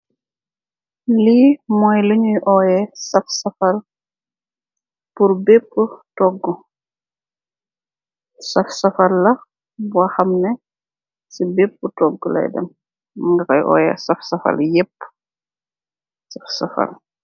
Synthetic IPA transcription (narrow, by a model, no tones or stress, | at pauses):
limɔːjlɐɲujʔɔjɛsɐfsɐfɐl | purbepːətɔɡːu | sɐfsɐfɐlːɐ | buɐxɐmnɛ | sibepːətɔɡːəlɐ̰jdɛ̰m | ŋɡɐkɐjʔɔ̰ːjɛ̰sɐfsɐfɐ̰ljepː | sɐfsɐfɐ̰l